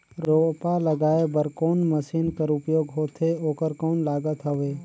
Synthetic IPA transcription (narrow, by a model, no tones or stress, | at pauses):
ɾoːpaləɡaːebəɾkoːnməsiːnkəɾʊpjoːɡɦoːt̪ʰeoːkəɾkoːnlaːɡət̪ɦəʋeː